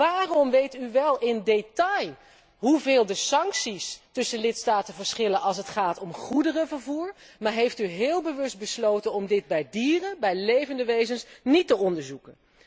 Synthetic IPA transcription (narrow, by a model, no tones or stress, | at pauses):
ʋaːrɔmʋejtyʋɛlˠɪndetɑj | ɦuvɪːlˠdəsɑŋksistɵsəlɪtstaːtənvəɹsχɪlənʔɑlˠs̬ətχaːtɔmχudərəvəɹvuːɹmaːɹɦejftyɦɪːlˠbəʋɵsd̚bəslowtənɔmdɪd̚bɛjdiːrəbɛjlejvəndəʋejzənsnitəɔndəɹzukən